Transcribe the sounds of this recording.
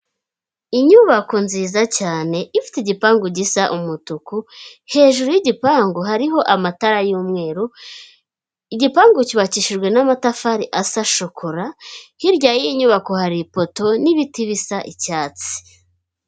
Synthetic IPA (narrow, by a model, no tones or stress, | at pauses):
iɲuβako̞nziːzacaːne̞ifi̥tiɟipaːŋɡoɟisaʔumutukuhe̞ːʒuɾujiɟipaːŋɡoɦaɾiɦo̞ʔamataɾajuːmŋe̞ːɾu | iɟipaːŋɡociβaciʃiʒɡwe̞namatafaɾiʔasaʃokʰoɾahiɾɟaːjiɲuːβako̞haɾipo̞to̞niβitiβisaʔicaːt͡si̥